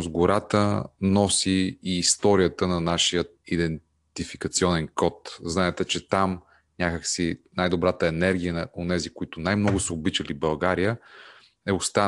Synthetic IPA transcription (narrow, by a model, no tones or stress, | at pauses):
sɡʊɾat̪ənɔsiːst̪ɔɾijət̪ənɐnaʃijə | id̪ɛn | t̪ifikət̪siɔnɛnkɔt̪znaɛt̪ɛt͡ʃɛt̪am | nʲakəksinajd̪obɾat̪əɛnɛɾɡ̟ijənɐonɛzikʊit̪ʊnajmnɔɡʊsəobit͡ʃəlibɐlˠɡaɾijə | ɛʊst̪a